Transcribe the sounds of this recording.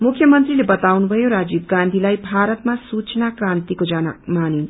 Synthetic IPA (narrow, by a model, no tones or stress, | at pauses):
mukʰjʌmʌnt̪rilebʌt̪awnubʱʌjoɾad͡zib̚ɡãnd̪ʱilajbʱaɾʌt̪masut͡snakrãnt̪ikod͡zana̰manin